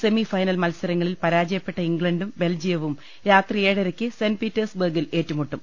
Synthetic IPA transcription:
se̞mifɐjnɐlmɐlsɐɾɐŋːɐɭilpɐɾaːd͡ʑɐjɐpːe̞ʈːɐiŋɡɭɐɳɖumbe̞ld͡ʑijɐʋum | jaːt̪rijeːɽɐɾɐkʲːɨsenpiːtːɐrsbɐrɡile̞ːtːumuʈːum

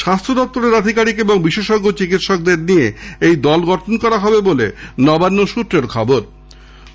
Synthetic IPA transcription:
ʃast̪ʰɾod̪ɔp̚t̪oɾeɾad̪ʱikaɾikeboŋbiʃeʃɔɡːot͡ɕikit̪ʃɔk̚d̪eɾnieejd̪ɔlɡɔʈʰonkɔɾaɦɔbebolenɔbanːoʃut̪ɾeɾkʰɔboɾ

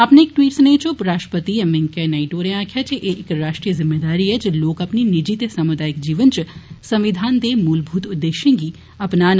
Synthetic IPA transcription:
ɐpneɪk̚ʈʋiːʈsnẽːt͡ʃopɾaːʃʈəpət̪iɛmɪ̃ŋkɛnaiʈoːɾẽãːkʰjat͡ʃeʔeʔɪkɾaːʃʈɾijəzɪmːeːd̪aːɾiɦɛd͡ʒloːkɐpninɪd͡ʒit̪sɐmʊd̪aːjɪkd͡ʒiːʋənt͡ʃsɐ̃mʋɪd̪ʱaːnd̪emuːlbʱuːt̪ʊd̪ːeːʃẽːŋɡi | ɐpnaːn

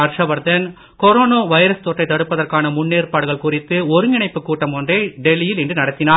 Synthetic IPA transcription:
ɐɾʂɐʋɐɾd̪ɐn | kɔɾoːnoːʋɐjɾɐst̪ɔːʈːɐɪt̪ːɐɽɯpːɐðɐrkaːnɐmʊnːeːrpaːɽɯɣɐɭkʊrɪt̪ːɯɔɾɯnɪɳɐɪpːɯkːuːʈːɐmɔndreːɖɛlːɪjɪlɛndrɯnɐɽɐt̪ːɪnaː

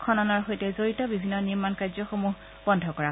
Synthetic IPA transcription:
kʰɔnɔnɔɹxojtɛzoɹitɔbibʱinːɔniɹmankajzɔxomuɦ | b̥ɔndʱɔkɔɹa

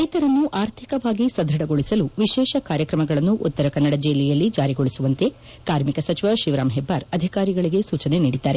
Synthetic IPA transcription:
ɐjt̪ɐɾɐnːuʔaːɾt̪ʰikɐʋaːɡisɐd̪ʱɐɽɐɡo̞ɭisɐluʋiʃɛːʃɐkaːɾjɐkɾɐmɐɡɐɭɐnːuʔut̪ːɐɾɐkɐnːɐɽɐd͡ʒeːlijɐlːid͡ʒaːɾiɡoɭisuʋɐnt̪e̞ | kaːɾmikɐsɐt͡ʃiʋɐʃiʋɾaːmɦebːaːɾɐd̪ʱikaːɾiɡɐɭiɡe̞suːt͡ʃɐneniːɽid̪ːaːɾe

